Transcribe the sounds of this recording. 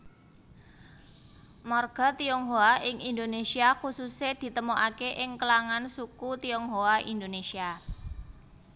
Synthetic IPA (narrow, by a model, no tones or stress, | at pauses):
mɔrɡ̥a̤t̪iɔŋɦoaʔɪŋind̪onesiaxusused̪̥i̤t̪əmoʔakeʔɪŋkəlaŋansukut̪iɔŋɦoaʔind̪onesia